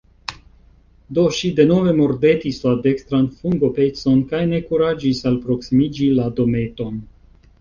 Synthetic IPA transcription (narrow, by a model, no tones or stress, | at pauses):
do̞ʃide̞no̞ve̞mo̞ɾde̞tislade̞kst̪ɾanfuŋɡo̞pe̞t͡so̞nkajne̞kuɾad͡ʒisalpɾo̞ksimid͡ʒilado̞me̞to̞n